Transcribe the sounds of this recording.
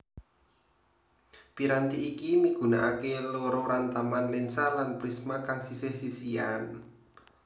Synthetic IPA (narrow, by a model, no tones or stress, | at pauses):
piɾant̪iʔikimiɡ̥ṳnaʔakeloɾoɾant̪amanlɪnsalanpɾismakaŋsisɪhsisian